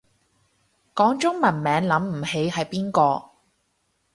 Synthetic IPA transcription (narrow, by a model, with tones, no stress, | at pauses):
kɔː˨˥ŋt͡sʊ˥ŋmɐ˨˩nmɛː˨˥ŋlɐ˨˥mm̩˨˩he˨˥jhɐ˨jpiː˥nkɔː˧